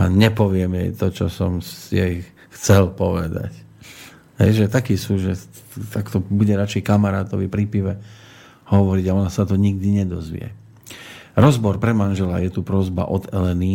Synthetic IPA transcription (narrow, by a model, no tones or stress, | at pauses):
aɲɛpɔʋɪɛmjɛjt̪ɔt͡ʃɔsɔmsjɛj | xt͡sɛlpɔʋɛ̰d̪a̰c | ɦɛ̰jʒɛt̪akiːsuːʒɛ | t̪akt̪ɔbuɟɛɾat͡ʃɛjkamaɾa̰ːt̪ɔʋipɾipiʋɛ | hɔʋɔɾiɟaɔnasat̪ɔɲiɡ̚d̪iɲɛd̪ɔzʋḭɛ̰ | ɾɔzbɔɾpɾɛmanʒɛlajɛt̪upɾɔzba̰ʔɔd̪ɛlɛni